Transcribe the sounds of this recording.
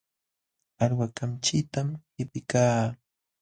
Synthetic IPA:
aɾwakamt͡ʃɪt̪amhɪpɪkaː

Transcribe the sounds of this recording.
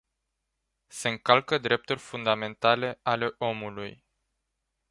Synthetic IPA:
se̞ɨŋkalkəd̪ɾe̞p̚t̪urʲfund̪ame̞nt̪ale̞ale̞ʔo̞muluj

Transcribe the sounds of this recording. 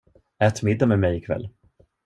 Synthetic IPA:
ɛːt̪mɪd̪ːamɛmɛjɪkʰvɛ̰lː

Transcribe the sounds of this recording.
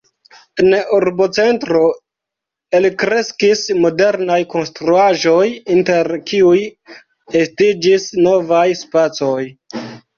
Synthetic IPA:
enuɾbo̞t͡se̞ntɾo̞ | elikɾe̞skismo̞de̞ɾnajko̞nstɾuaʒo̞jinte̞ɾkiuj | estid͡ʒisno̞vajspat͡so̞j

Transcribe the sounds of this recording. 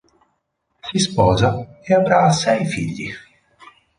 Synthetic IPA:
sispɔːzajɛbɾaːsɛjfḭʎʲːḭx

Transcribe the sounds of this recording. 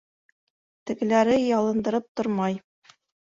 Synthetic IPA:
t̪ɘ̆ɡɘ̆læɾɘjɑlˠɤ̆nd̪ɤ̆ɾɤp̚t̪oɾmɑj

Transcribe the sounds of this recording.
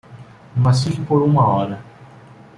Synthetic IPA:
mɐsikɪpoɾũmɐɔɾɐ

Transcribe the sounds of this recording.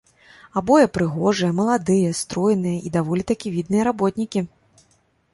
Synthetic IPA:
abɔjɛpɾɨɣɔʐɨjɛmɐlˠad̪ɨjɐst̪ɾɔjnɨjɐʔid̪avɔlʲit̪akʲivʲid̪̚nɨjɐɾabɔt̪ʲnʲikʲi

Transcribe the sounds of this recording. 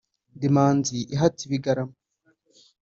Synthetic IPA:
dimaːnziʔiɦatiβiɡaɾamo

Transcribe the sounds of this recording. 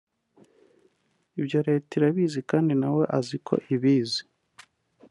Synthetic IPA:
ibjo̞ɾe̞ːtiɾaβiːzikaːndinawe̞ʔazikʰo̞̰ʔiβiːzi̥

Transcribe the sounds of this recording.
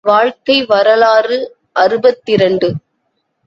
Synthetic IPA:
ʋaːɻkɐɪʋɐɾɐlaːrɯ | ʔɐɾɯbɐt̪ːɪɾɐɳɖɯ

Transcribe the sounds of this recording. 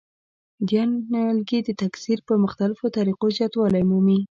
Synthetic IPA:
d̪jɑnalɡid̪ət̪aksiɾpəmʊxt̪alɪfot̪aɾiqozjɑt̪wɑlajmumi

